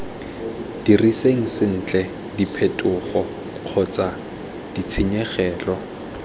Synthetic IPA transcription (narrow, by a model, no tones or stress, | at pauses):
d̥iriseŋ̩sɪn̩t͡ɬʼɛ | dipʰetʼʊχɔ | q͡χʰʊt͡sʼa | d̥it͡sʰɪɲɛχɛːlɔ